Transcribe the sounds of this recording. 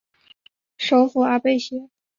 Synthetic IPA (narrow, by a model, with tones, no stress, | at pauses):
ʂo˧˥ʊfu˧˥a˧˩pe˥˩ɪɕɛ˧˥